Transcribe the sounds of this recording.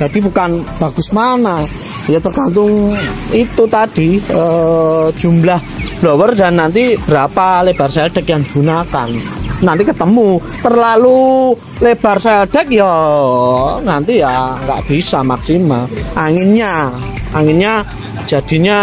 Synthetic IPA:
d͡ʒ̥ad̥ibukanb̥a̤ɡ̥ʊsmana | jat̪ərɡ̥ant̪ʊŋit̪ut̪ad̥iə̥ | d͡ʒ̥ṳmlahb̥lowərdanːant̪ib̥əɾapaleb̥arsaɛlɖ̥ɛkjaŋiɡ̥unakanːant̪ikət̪əmu | t̪ərlalu | leb̥arsaɛlɖ̥ɛk̚jo | nant̪ijaŋɡa̰ʔb̥isamaksimaʔaŋɪnɲaaŋɪnɲḁ | d͡ʒ̥a̤d̥i̤ɲa

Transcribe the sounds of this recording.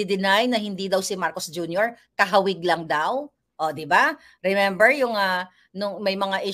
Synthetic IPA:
id̪ɪnajnɐhɪnd̪id̪ɐwsɪmaɾkosd͡ʒunjoɹkɐɦɐwɪɡ̚lɐŋd̪aw | ʔod̪ɪba | ɾɛmɛmbɛɹjʊŋa | nʊŋmɐjmɐŋaʔɪ

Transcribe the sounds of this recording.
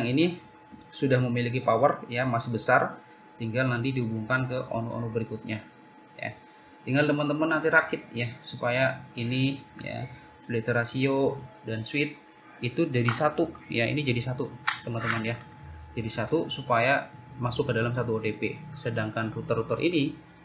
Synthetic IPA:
aŋini | sudahməmilik̬ipawarjamasabəsar | t̪iŋɡalnant̪idiɦubuŋkankəʔo̰nuʔo̰nubəɾikʊt̪̚ɲa | ja̰ | t̪iŋɡalt̪əmənt̪əmanːant̪iɾakɪt̪̚jasupajainija̰ | slit̪əɾasiodanswɪt̪̚ | it̪ud͡ʒadisat̪ujaḭnid͡ʒadisat̪ut̪əmənt̪əmənja | d͡ʒadisat̪usupajamasʊkːədalamsat̪uot̪epḛsədaŋkanrut̪ərut̪ərʔḭni

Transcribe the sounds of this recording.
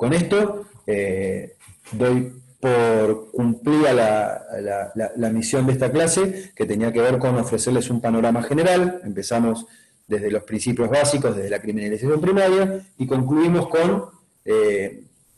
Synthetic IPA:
ko̞ne̞st̪o̞e | d̪o̞jpoɾkumpliɾalalalalamisjo̞nd̪est̪aklase̞ke̞t̪eniake̞β̞eɾko̞no̞fɾe̞seɾle̞sumpano̞ɾamaxeneɾale̞mpe̞samo̞s | d̪e̞ðe̞lo̞spɾinsipjo̞zβasikoðe̞ðelakɾiminalisas̬jo̞mpɾimaðjaiko̞ŋkluimo̞sko̞n | e

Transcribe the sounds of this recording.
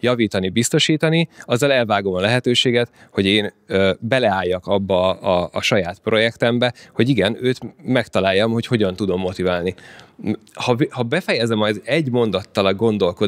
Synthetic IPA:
jɒviːt̪ɒnibist̪o̞ʃiːt̪ɒniɒzːɒlɛlvaːɡo̞mɒlɛɦɛt̪øːʃeːɡɛt̪ho̞ɟeːnøbɛlɛaːjːɒkɒbːɒːʃɒjaːt̪pro̞jɛkt̪ɛmbɛho̞ɟiɡɛnøːt̪mɛkt̪ɒlaːjːɒmho̞cho̞ɟɒnt̪ud̪o̞mːo̞t̪ivaːlni | hɒvihɒbɛfɛjɛzɛmɒjd̪ɛɟmo̞nd̪ɒt̪ːɒlɒɡːo̞nd̪o̞lko̞

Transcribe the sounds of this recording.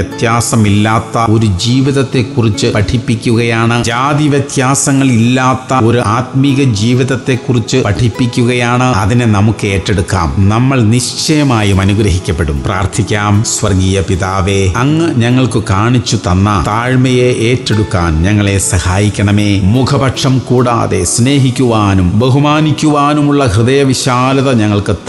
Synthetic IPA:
jɐt̪jaːsɐmilːaːt̪ːɐo̞ɾud͡ʑiːʋiðɐt̪ːe̞kːurit͡ɕːɨpɐʈʰipːikʲːuɣɐjaːɳɨd͡ʑaːðiʋjɐt̪jaːsɐŋːɐɭilːaːt̪ːɐo̞ɾuaːt̪miɣɐd͡ʑiːʋiðɐt̪ːe̞kːurit͡ɕːɨpɐʈʰipːikʲːuɣɐjaːɳɨɐðinenɐmukːɨe̞ːʈːe̞ɽukːa̰ːmnɐmːɐɭniʂt͡ɕɐjɐmaːjumɐnuɡɾɐɦikʲːɐpːeɽumpraːrt̪ʰikʲːaːmsʋɐrɡiːjɐpiðaːʋeɐŋːɨɲɐŋːɐɭkɨkaːɳit͡ɕːut̪ɐnːɐt̪aːɻmɐjeʔeːʈːe̞ɽukːaːnɲɐŋːɐɭe̞sɐhaːjikʲːɐɳɐme̞ːmukʰɐbɐʈʂɐmkuːɽa̰ːðe̞̰sne̞ːɦikʲːuʋaːnumbeɦumaːnikʲːuʋaːnumuɭːɐhrɨðɐjɐʋiɕaːlɐðɐɲɐŋːɐɭkɨ

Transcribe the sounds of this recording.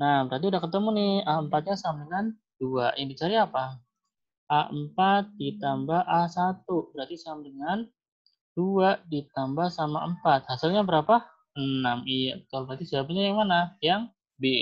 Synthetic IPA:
nahbəɾart̪iudahkət̪əmunɪhaəmpat̪̚ɲasamdəŋan | d̥uaʔjaŋdit͡ʃaɾiapa | ʔaəmpat̪̚dit̪ambahʔasat̪ubəɾart̪isamdəŋan | d̥uaʔdit̪ambahsamaəmpat̪̚hasɪlɲabəɾapa | ənamijat̪albəɾat̪isəbapaɲajaŋmanajaŋ | be

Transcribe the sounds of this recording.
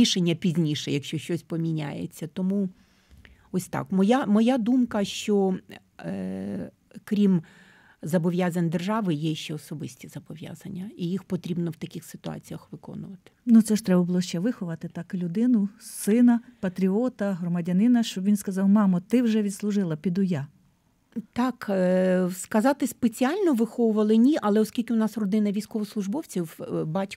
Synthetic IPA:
iʃenʲːɐpʲizʲnʲiʃɛjɐkʃt͡ʃɔʃt͡ʃɔsʲpɔmʲinʲa̰jḛt͡sʲːɐt̪ɔmu | ɔsʲt̪ɑ̰kmɔjamɔjad̪umkɐʃt͡ʃɔ | kɾʲim | zɐbɔʋʲjazɐnʲd̪erʒɑʋɪjɛʃt͡ʃɛɔsɔbɪsʲtʲizɐbɔʋʲja̰zɐnʲːɐijixpɔt̪ɾʲibnɔwt̪ɐkʲɪxsɪ̥t̪ʊɑ̰t͡sʲijɐxʋɪkɔ̰nʊʋɐt̪ɪ̥nut̪sɛʃt̪ɾɛbɐbʊlˠɔʃt͡ʃɛʋɪxʊʋɐt̪ɪt̪ɑklʲʊd̪ɪnʊsɪnɐpɐt̪ɾʲiɔt̪ɐɦrɔmɐdʲɐnɪnɐʃt͡ʃɔbʋʲinskɐzɑwmɑmɐt̪ɪwʒɛʋʲid̪slˠʊʒɪlˠɐpʲid̪ʊjɑ | t̪ɑk | skɐzɑt̪ɪspet͡sʲiɑlʲnɔʋɪxɔʋʊʋɐlˠɪnʲiʔɐlˠɛɔskʲilʲkʲɪʊnɑsrɔd̪ɪnɐʋʲijsʲkɔʋɔslˠʊʒbɔwt͡sʲiwbɑtʲ

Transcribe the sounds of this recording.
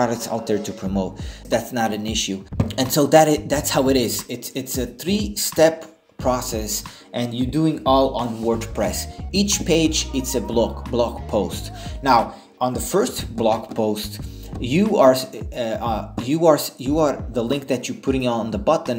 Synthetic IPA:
ɑɾək̚tsa̰ʊt̪̚ðə˞tʰɨpʰɹ̥əmoʊt̚ðætsnəɾɨ̃nɪʃʉɨ̃nsoʊðæɾðætshaʊɨɾɪzɪtsɪtsɨθɹistɛp | pʰɹ̥ɔsɛs | ʔɨ̃njə˞duɪ̃ŋɔlˠə̃nwɜ˞dpʰɹ̥ɛsit͡ʃpʰeɪd͡ʒɪtsɨblkblɑkpʰoʊstnaʊ | ʔə̃nðəfɜ˞stb̥lɑkpʰoʊst | jɨə˞ | jɨə˞sjɨə˞ðəlɪ̃ŋk̚ðɨt͡ʃə˞pʰʊɾɪ̃ŋə̃nðəbʌtn̩

